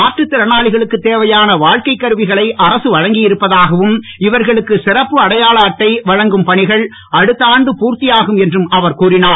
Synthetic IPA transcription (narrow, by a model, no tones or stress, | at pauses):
aːʈrɯt̪ːɪɾɐnaːɭɪɣɐɭɯkːɯt̪ːeːʋɐjaːnɐʋaːɻkɐɪkːɐɾɯʋɪɣɐɭɐɪʔɐɾɐsɯʋɐɻɐŋɡɪjɪɾɯpːɐðaːɣɐʋɯmɪʋɐɾɣɐɭɯkːɯsɪɾɐpːɯɐɽɐjaːɭɐːʈːɐɪʋɐɻɐŋɡɯmpɐɳɪɣɐɭ | ʔɐɽɯt̪ːaːɳɖɯpuːɾt̪ɪjaːɣɯmɛndrɯmɐʋɐɾkuːɾɪnaː